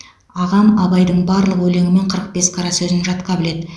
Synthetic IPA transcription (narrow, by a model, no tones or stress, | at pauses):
ɑʁɑmɑbɑjd̪əɴbɑɾlˠəqwɵle̞ŋʲɪme̞ɴqʰəɾəq̚be̞sqʰɑɾɑsɵzɪnʒɑt̪qɑbɪle̞d̪ɪ